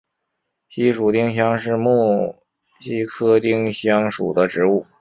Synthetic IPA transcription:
ɕi˥ʂu˨˩t̪i˥˧ŋɕjɑ˥ŋʂɻ̩˥˧mu˥˩ | ɕi˥kʰɤ˥t̪i˥˩ŋɕjɑ˥ŋʂṵ˨˩d̪ə˦ʈ͡ʂɻ̩˧˥u˥˩

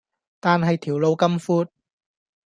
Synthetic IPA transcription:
t̪aː˨nɦɐ˨jt̪ʰiː˨˩wlo˨˧wkɐ˥mfuː˥t̚

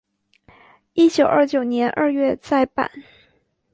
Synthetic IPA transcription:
i˥˩t͡ɕjo˨˩ʊʔə˞˥˩t͡ɕjo˨˩ʊnjɛ˧˥nʔə̰˥˧ɥɛ˥˧t͡sa˥˧ɪpa̰˨˩˦n

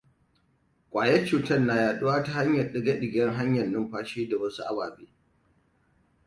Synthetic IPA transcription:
kʷʼaː˨jɛ˦t͡ʃuː˨tɐ˦rnːa˨jaː˨ɗʊ˦waː˦ta˦ha˦ɲjɐ˨rɗɪ˨ɡɐ˦ɗɪ˨ɡʲɛ˦ŋɦa˦ɲjɐ˨nːʊ˦mɸaː˦ʃeː˦da˨wɐ˦su˦ʔa˦baː˨beː˦

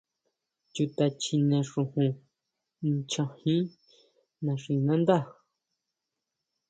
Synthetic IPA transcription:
t͡ʃu˧t̪a˧t͡ʃi˧nẽ˧ʂũ˧hũ˧ | n˧t͡ʃã˧hĩ˦ | nã˧˨ʂĩ˧nã˦nd̪a˦˨

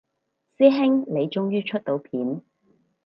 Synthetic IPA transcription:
siː˥ɦɪ˥ŋle˨˧jt͡ʃʊ˥ŋjyː˥t͡ʃʰɵ˥t̚t̪o˨˧wpʰiː˨˥n

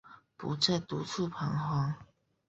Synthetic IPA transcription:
pṵ˧˥t͡sa˥˩t̪u˧t͡sʰu˥˨pʰa˧˥ŋɦwa˧˥ŋ

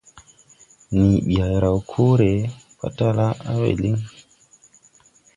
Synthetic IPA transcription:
ni˨ɓi˨a˨jɾa˨wkʰo˦ɾe˨ | pa̰˦ta˦la˦a˦wḛ˨li˦ŋ

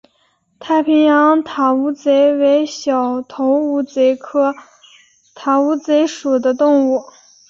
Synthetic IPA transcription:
t̪ʰa˥˩ɪpʰi˧˥ŋjɑ˧˥ŋt̪ʰa˧˥u˧˥t͡se˧˥ɪwe˧˥ɪɕjɑ˨˩ʊt̪ʰo˧˥ʊu˧˥t͡se˧˥ɪkʰɤ˥ | t̪ʰa˧˥u˧˥t͡se˧˥ɪʂu˨˩d̪ə˦t̪ʊ˥˧ŋu˥˩

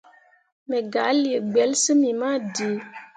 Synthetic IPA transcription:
mɛ˨ɡa˨˦ljə˨ɡ͡bɛ˨˦lsə˦mi˨ma˦di˨˦

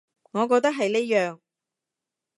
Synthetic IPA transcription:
ŋɔː˨˧k̬ɔː˧k̚t̪ɐ˥k̚ɦɐ˨jne˥jœː˨ŋ

